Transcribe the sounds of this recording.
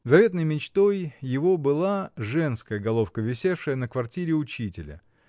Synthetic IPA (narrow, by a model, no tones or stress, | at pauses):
zɐvʲe̞t̪nəjmʲɪt͡ɕt̪o̞jːɪvo̞bɨlˠaʐɛnskəjəɡɐlˠo̞fkəvʲɪsʲefʂɨjənəkvɐrtʲiɾʲɪʊt͡ɕitʲɪlʲə̰